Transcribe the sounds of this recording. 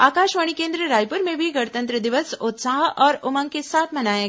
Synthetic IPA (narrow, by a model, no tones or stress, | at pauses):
aːkaːʃʋaːɽ̃ikẽːnd̪ɾəɾaːjpʊɾmẽbʱiɡɐɽt̪ə̃nt̪ɾəd̪ɪʋəsʊt̪saːɦʔɔːɾʊmə̃ŋɡkesaːt̪ʰmɐnaːja